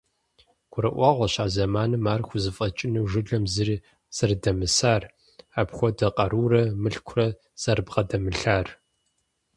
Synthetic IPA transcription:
ɡʷʰʊɾɐʔʷɑːʁʷɔɕaːzɐmaːnɨmaːrxʷʊzɨfʼɐt͡ʃʼɪnɨʒɨɮɐmzɨri | z̥ɐrdɐmɨsaːr | aːpxʷɔdɐqʼɐɾuːrɐmɨɬkʷʰʊrɐ | z̥ɐrbʁɐdɐmɨɬaːr

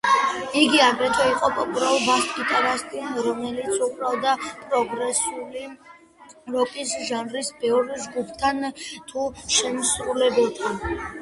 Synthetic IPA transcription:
iɡiaɡɾɛt̪ʰɔiqʼɔpʼɔbɾabast̪ʼkʰʼit̪ʼaɾast̪ʼiɔnɾɔmɛlit̪sʰubʼɾavd̪apʼɾɔɡɾɛsuli | ɾɔkʼisʒanɾisbɛɾd͡ʒɡupʰt̪ʰant̪ʰuʃɛmsɾulɛbɛlˠt̪ʰan

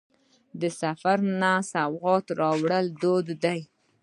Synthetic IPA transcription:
d̪əsafaɾnasawɣɑt̪ɾɑwɽəld̪od̪ːaj

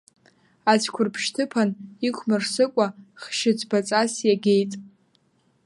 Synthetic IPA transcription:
at͡ʃʷʰkʷʰʊrpʰʃtʰɨpʰanikʷʰmɨrsɨkʷʼaχʃɪt͡sʷʰbat͡sʼasjaɡʲejtʼ

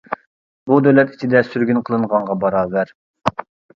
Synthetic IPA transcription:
bud̪øwlɛt̪i̥t͡ʃʰid̪ɛsyɾɡʲynqʰəlˠɨɴʁɑɴʁɑbɑɾɑːvæɾ

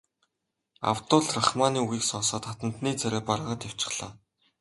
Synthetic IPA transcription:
a̰w̥t̪ʊːɮraχmaːniːuɣiːksɔːsɔːt̪χat̪ə̆n̥t̪niːt͡sœɾeːpaɾ̆ʁə̆t̪aw̥t͡ɕɪ̆χɮa̰ː

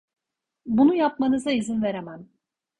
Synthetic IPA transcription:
bunujapmanɯzaizinve̞ɾemæn

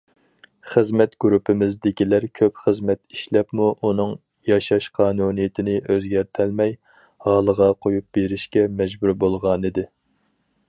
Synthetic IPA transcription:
χəzmɛt̪ɡ̥ʲyɾupʰɪmɪzd̪ɪkʲilæɾkʲʰøpχəzmɛt̪iʃlɛpmuʔunɨŋ | jɑʃɑʃqʰɑːnunɨjɪt̪ʰɪnɪʔøzɡʲæɾt̪ʰælmɛj | hɑːlˠəʁɑqʰojup̚beɾɪʃkʲɛmɛd͡ʒbuɾbolˠʁɑnɨd̪ɪ

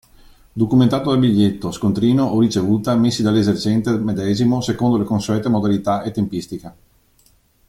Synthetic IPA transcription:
d̪okument̪aːt̪od̪albiʎːet̪ːoskont̪ɾiːnoʔːrit͡ʃevuːt̪amesːid̪alːezert͡ʃɛnt̪emed̪ɛːzimosekond̪olekonsuɛt̪ːemod̪alit̪aʔet̪ːempist̪ike

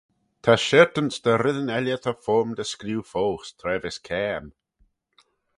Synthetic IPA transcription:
t̪ʰaʃɛɹt̪ənsd̪̥əɾɪðənɛljət̪ʰəfɔːɹmd̪əskluːfoːxst̪ʰɾɛːvɪskʰɛːm

